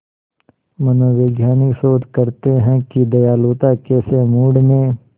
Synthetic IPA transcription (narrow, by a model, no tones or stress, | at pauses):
mɐnoːʋeːɡjaːnɪksoːd̪kɐɾt̪eɦɛ̃kid̪ɐjaːloːt̪akeːsemuːɽnẽ